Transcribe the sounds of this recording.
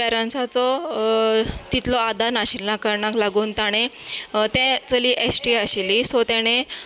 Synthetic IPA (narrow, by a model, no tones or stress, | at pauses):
ɛɾãnsat͡sɔ | t̪it̪lɔad̪anaɕilnakəɾɳaklaɡuːnt̪aɽ̃et̪ɛ̃t͡səliːʔesʈiaɕilisɔt̪ɛɽ̃ẽ